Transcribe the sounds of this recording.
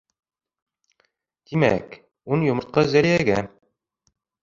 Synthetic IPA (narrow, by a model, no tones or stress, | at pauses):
t̪imæ̰k | unjŏmɤ̆ɾt̪̚qɑzæɾijæɡæ